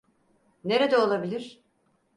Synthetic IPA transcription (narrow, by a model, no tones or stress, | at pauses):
neɾed̪ɛolˠabilʲiɾ̥